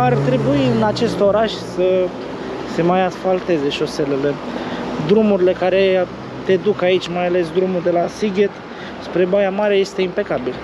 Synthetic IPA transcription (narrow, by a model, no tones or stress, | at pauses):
art̪ɾe̞buiɨnat͡ʃe̞st̪o̞ɾaʃʲsə | se̞majasfalt̪e̞ze̞ʃo̞se̞le̞le̞d̪ɾumuɾile̞kaɾe̞ | t̪e̞d̪ukait͡ʃʲmajale̞s̬d̪ɾumuld̪e̞lasiɡʲet̪ | spɾe̞bajamaɾeje̞st̪eimpe̞kabil